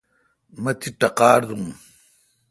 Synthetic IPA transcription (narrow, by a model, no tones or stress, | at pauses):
mɐt̪ʰiʈɐqaːɾd̪uŋ